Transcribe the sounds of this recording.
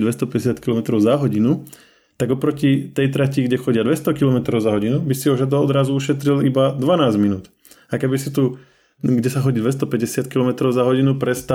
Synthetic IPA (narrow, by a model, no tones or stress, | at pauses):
d̪ʋɛst̪ɔpɛɟɛs̬jat̪kilɔmɛt̪ɾɔʊzaɦɔɟinu | t̪aɡɔpɾɔcit̪ɛjt̪ɾaciɡɟɛxɔɟɪad̪ʋɛst̪ɔkilɔmɛt̪ɾɔʊzaɦɔɟinubisiɔʒad̪ɔɔd̪ɾazuuʃɛt̪ɾilibad̪ʋanaːzminuːt̪ | akɛbisit̪u | ɡɟɛsaxɔɟid̪ʋɛst̪ɔpɛɟɛsɪat̪̚kilɔmɛt̪ɾɔʊzaɦɔɟinupɾɛst̪a